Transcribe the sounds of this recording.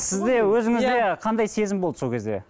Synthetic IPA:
sɪzd̪e̞wɵzɪŋɪzd̪e̞qʰɑnd̪ɑjse̞zɪmbolˠəsokʰʲe̞zd̪e̞̰

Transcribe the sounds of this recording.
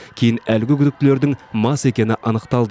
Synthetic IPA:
kʲʰe̞jɪnælɡʲɪkʲʰʏd̪ɪk̚t̪ɪle̞ɾd̪ɪŋmɑse̞kʲe̞nɪʔɑnəqt̪ɑlˠd̪ə

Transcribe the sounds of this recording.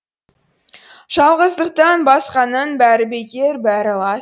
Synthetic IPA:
ʒ̥ɑlˠʁəzd̪əq̚t̪ɑnbɑsqɑnənbæɾɪbe̞kʲeɾbæɾɪlˠɑ

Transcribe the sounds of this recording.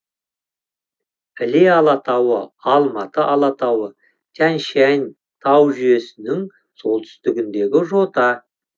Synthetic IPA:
ɪleɑlˠɑt̪ɑwəɑlˠmɑt̪əʔɑlˠɑt̪ɑwə | t̪ʲʰænʃænʲ | t̪ʰɑwʒʏje̞sɪnɪŋ | so̞lˠt̪ʰʏ̥st̪ɪɡʲɪnd̪e̞ɡʲɪʒo̞t̪ɑ

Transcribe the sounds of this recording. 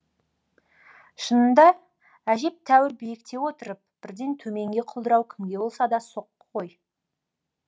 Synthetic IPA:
ʃənənd̪ɑ | æʒe̞p̚t̪ʰæwɪɾbejɪk̚t̪e̞wo̞t̪əɾəp̚b̥ɪɾd̪e̞nt̪ʰɵme̞ŋɡʲe̞qʰʊlˠd̪əɾɑwkʲʰɪmɡʲe̞bo̞lˠsɑd̪ɑso̞qːʰ | o̞j

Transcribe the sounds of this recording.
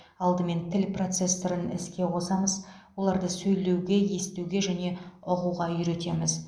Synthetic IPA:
ɑlˠd̪əme̞nt̪ʰɪlpro̞t̪se̞sːoɾənɪskʲe̞qʰo̞sɑməz | wo̞lˠɑɾd̪əsɵjle̞wɡʲe̞je̞st̪ewɡʲe̞ʒæne̞ʊquʁɑʏɾet̪e̞mɪz

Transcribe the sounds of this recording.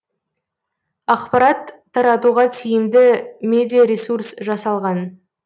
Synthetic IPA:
ɑqpɑɾɑt̪ʰːɑɾɑt̪uʁɑt̪ʰijɪmd̪ɪmʲe̞d̪ijaɾesursʒɑsɑlˠʁɑn

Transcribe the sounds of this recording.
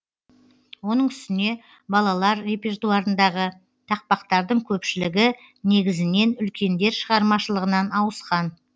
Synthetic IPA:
wo̞nəɴʏst̪ɪne̞ | bɑlˠɑlˠɑɾɾe̞pe̞rt̪uɑɾənd̪ɑʁə | t̪ʰɑq̚pɑqt̪ɑɾd̪əɴkʲʰɵpʃɪlɪɡʲɪ | ne̞ɡʲɪzɪne̞nʏlkʲe̞nd̪e̞ɾʃəʁɑɾmɑʃəlˠəʁənɑnɑwəsqɑn

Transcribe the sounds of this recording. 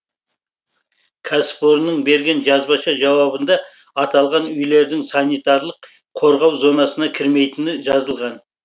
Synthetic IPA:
kʲʰɑspo̞ɾnəɴbe̞ɾɡʲe̞nʒɑzbɑʃɑʒɑwɑbənd̪ɑ | ɑt̪ɑlˠʁɑnʏjle̞ɾd̪ɪŋsɑnijt̪ɑɾlˠəqʰ | o̞ɾʁɑwzo̞nɑsənɑkʲʰɪɾme̞jt̪ɪnɪʒɑzəlˠʁɑn

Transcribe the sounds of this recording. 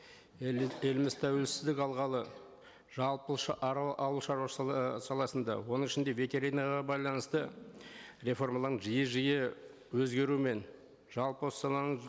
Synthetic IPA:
elɪmɪzt̪ʰæwe̞lsɪzd̪ɪkʲɑlˠʁɑlˠə | ʒɑlˠpəʃʔʔɑwəlˠʃɑɾsɑlˠɑsənd̪ɑ̰wo̞nəɴɪʃɪnd̪e̞vʲe̞t̪e̞ɾinɑʁɑbɑjlˠɑnəst̪ə | re̞fo̞ɾmalˠɑəɴʒijəʒijə | wɵzɡʲe̞ɾume̞n | ʒ̥ɑlˠpossɑlˠɑnəɴ

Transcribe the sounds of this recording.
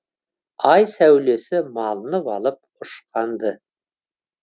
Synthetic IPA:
ɑjsæwle̞sɪmɑlˠənəpɑlˠəp̚ʊʃqɑnd̪ə

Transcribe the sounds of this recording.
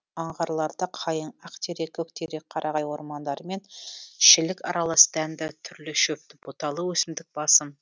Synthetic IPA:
ɑɴʁɑɾlˠɑɾd̪əqʰɑjəɴɑqt̪ʰeɾe̞kʲʰːɵk̚t̪ʰeɾe̞k̚qʰɑɾʔɑʁɑjwo̞ɾmɑnd̪ɑɾəme̞nʃɪlɪkɑ̰ɾɑlˠɑsəd̪ænd̪ɪt̪ʰʏɾlɪʃɵp̚t̪ɪbot̪ɑlˠəwɵsɪmd̪ɪk̚b̥ɑsəm

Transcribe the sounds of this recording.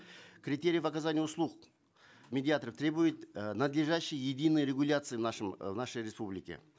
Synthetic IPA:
kɾʲɪt̪ʲe̞ɾʲɪijəvɐkazanʲɪjʊslˠuq | mʲedʲɪat̪əɾəft̪ɾʲe̞bujɪt̪nɐd̪lʲɪʐaɕːɪjjɪd̪ʲinːɨjɾʲɪɡʊlʲat̪sɨjvnaʂɨmvnaʂəjɾʲɪspublʲɪkʲɪ̰

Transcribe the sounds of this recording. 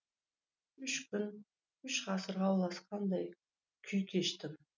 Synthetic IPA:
ʏʃkʲʏn | ʏʃʁɑsəɾʁɑwlˠɑsqʰɑnd̪ɑj | kʲʰʏjkʲʰe̞ʃt̪ɪm

